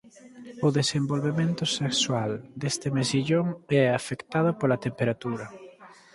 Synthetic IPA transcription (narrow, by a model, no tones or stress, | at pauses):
ʊðesembolβemẽnt̪ʊsekswald̪est̪ɪmeziʎoŋɛafekt̪að̞ʊpolɐt̪empeɾat̪uɾɐ